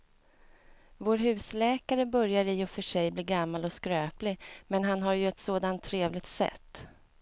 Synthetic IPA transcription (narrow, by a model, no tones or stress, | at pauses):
voːɾɦʉ̟ːslɛːkaɾəbœɾjaɾɪɔfœʂɛjbliːɡamːalɔskɾøːplɪmɛnɦanɦaɾjɵɛt̪soːd̪ant̪ʰːɾeːvlɪɡ̚t̪sɛ̰t̪ː